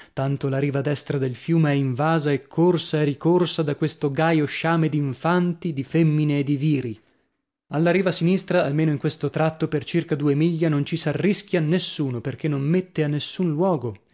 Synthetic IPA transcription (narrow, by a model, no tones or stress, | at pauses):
t̪ant̪olaɾiːvad̪ɛst̪ɾad̪elfjuːmeɛiɱvaːzaɛkʰːorsaɛrikorsad̪akwest̪oɡajoʃaːmed̪iɱfant̪id̪ifemːineːd̪iviːɾi | alːaɾiːvasinist̪ɾaːlmeːnoiŋkwest̪ot̪ɾat̪ːopert͡ʃirkad̪uːemiʎːanont͡ʃisarːisk̟ʲjianːesːuːnoperk̟enːommet̪ːeanːesːunlwɔːɡo